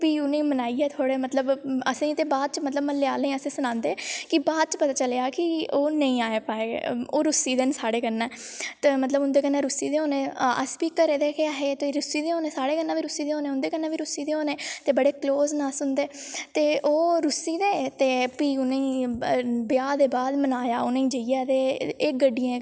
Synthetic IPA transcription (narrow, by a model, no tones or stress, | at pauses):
piːʊnẽːmənaːiːɛːt̪ʰoːɽeːmət̪ləbəsĩːt̪eːbaːd̪̚t͡ʃmət̪ləbməlːeaːləĩəsĩːsʊnãːnd̪eːkɪbaːd̪̚t͡ʃəpət̪aːt͡ʃəleaːkɪoːnəĩːaːeːpaːeːoːɾʊsiːd̪eːnsaːɽeːkənːãːt̪emət̪ləbʊnd̪eːkənːãːɾʊsiːd̪eːoːnẽːə̰spiːkəɾeːd̪eːkʰeaːɦeːt̪eɾʊsiːd̪eːoːneːsaːɽeːkənːãːʋiːɾʊsiːd̪eːoːneːʊnd̪eːkənːãːʋiːɾʊsiːd̪eːoːnẽːt̪eːbəɽeːkloːznaːsʊnd̪eːt̪eːʔoːɾʊsiːd̪eːt̪eːpiːʊnẽː | bɪjaːd̪eːbaːd̪mənaːjaːʊnẽːĩːd͡ʒəijaːt̪eːeːɡəɖːijã